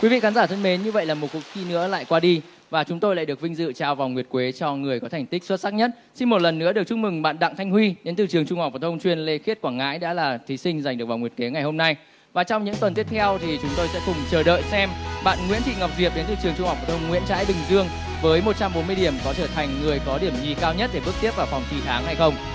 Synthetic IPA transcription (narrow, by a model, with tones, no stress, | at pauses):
kwi˨˦vḭ˧˨xaː˨˦nzaː˧˩t̪ʰə˧nme˨˦nɲɨ˧və̰˧˨jlaː˨˩mo˨˩t̚ku˨˩ət̚xi˧nɨ̰˧˥əla̰ː˧˨jkwaː˧ɗi˧ | vaː˨˩t͡ɕʊ˨˦ŋ͡mt̪o˧jla̰ː˧˨ɗɨ˨˩ək̚vi˧ŋ̟zɨ̰˧˨t͡ɕaː˨˩wvaː˨˩wŋwi˨˩ət̚kwe˨˦t͡ɕɔ˧ŋɨ˨˩əjkɔ˨˦t̪ʰɛ˨˩ŋ̟t̪i̟˦˥swə˦˥t̚saː˦˥k̚ɲə˦˥t̚si˧nmo˨˩t̚lə˨˩nːɨ˧˥əɗɨ˨˩ək̚t͡ɕʊ˦˥k͡p̚mɨ˨˩ŋɓa̰ː˧˨nɗa̰˧˨ŋt̪ʰjŋ̟hwi˧ɗe˨˦nt̪ɨ˨˩t͡ɕɨ˨˩əŋt͡ɕʊ˧ŋ͡mha˨˩k͡p̚vaː˨˩t̪ʰə˧wŋ͡mt͡ɕwi˧ənle˧xi˦˥ət̚kwaː˧˩ŋa̰ː˧˥jɗa̰ː˧˥laː˨˩t̪ʰi˨˦sï˧ŋ̟za˨˩jŋ̟ɗɨ˩k̚vaː˨˩ŋwət̚ke˨˦ŋa˨˩jho˧mna˧j | vaː˨˩t͡ɕɔ˧wŋ͡mɲɨ̰˧˥ŋt̪wə˨˩nt̪i˦˥əp̚t̪ʰɛ˧wt̪ʰi˨˩t͡ɕʊ˨˦ŋ͡mt̪o˧jsɛ̰˧˥kʊ˨˩ŋ͡mt͡ɕəː˧˩ɗə̰ː˧˨jsɛ˧mɓa̰ː˧˨nŋwḭ˧˥nt̪ḭ˧˨ŋa˨˩w̚k͡p̚zi˨˩əp̚ɗe˨˦nt̪ɨ˨˩t͡ɕɨ˨˩əŋt͡ɕʊ˧ŋ͡mha˨˩w̚fa˨˩t̪ʰə˧ŋ͡mŋwḭ˧˨ənt͡ɕa̰ː˧˥jɓï˨˩ŋzɨ˧əŋ | vəː˨˦jmo˨˩t͡ɕa˧mɓo˨˦nmɨ˧jɗi˧˩əmkɔ˨˦t͡ɕəː˧˩t̪ʰa˨˩jŋ̟ːɨ˨˩əjkɔ˨˦ɗi˧˩əmɲi˨˩kaː˧wɲə˦˥t̚ɗe˧˩ɓək̚t̪i˦˥əp̚vaː˨˩wfa˨˩wŋ͡mt̪ʰi˨˧˩t̪ʰaː˨˦ŋha˧jxə˧wŋ͡m